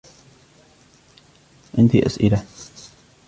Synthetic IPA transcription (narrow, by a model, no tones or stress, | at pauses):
ʔɪnt̪ḭʔa̰sʔɪ̰la